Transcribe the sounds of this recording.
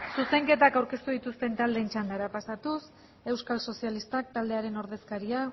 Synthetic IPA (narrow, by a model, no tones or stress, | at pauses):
suse̞ŋke̞t̪akawɾke̞st̪uðit̪ust̪e̞nt̪ald̪eːnt͡ʃand̪aɾapasat̪us | e̞wskalso̞sialist̪ak̚t̪ald̪e̞aɾe̞no̞ɾðe̞skaɾia